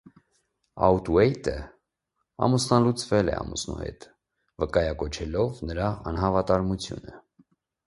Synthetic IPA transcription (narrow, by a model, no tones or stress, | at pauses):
ɑ̰ut̪uɛjt̪ʰə | ɑ̰musnɑlut͡svɛlɛ̰ɑ̰musnṵhɛ̰t̪ | vəkɑjɑkɔt͡ʃʰɛlɔvnəɾɑɑnɦɑvɑt̪ɑɾmut͡sʰjṵnə